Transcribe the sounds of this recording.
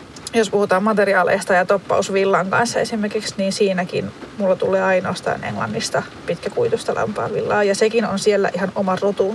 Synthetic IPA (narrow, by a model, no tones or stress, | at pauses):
jospuhut̪ɑːmmɑt̪eriɑːlḛːst̪ɑjɑt̪opːɑ̰usʋilːɑŋkɑ̰nsːɑesimerkiksniːnsiːnækḭnmulːɑt̪uleːɑinoːst̪ɑ̰ːnḛŋlɑ̰nːist̪ɑ | pit̪kækuit̪ust̪ɑlʔɑ̰mpɑ̰ːʋʋilːɑːjɑsekinonsielːæ̰ʔihɑnomɑrot̪u